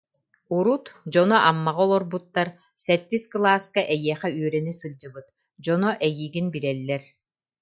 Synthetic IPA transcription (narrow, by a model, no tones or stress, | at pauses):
uɾut̪d͡ʑɔnɔʔamːaʁɔlˠɔɾbut̪ːaɾ | sɛt̪ːisklˠaːskaʔɛjiɛχɛyœɾɛnisɯld͡ʑɯbɯt̪̚ | d͡ʑɔnɔʔɛjiːɡinbilɛlːɛɾ